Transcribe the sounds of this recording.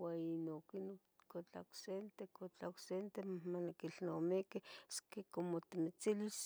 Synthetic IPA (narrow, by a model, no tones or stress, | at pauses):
wainokino | kot͡ɬa̰ksent̪ekot͡ɬaksent̪emamanikiɬnomikeskekomot̪imit͡silis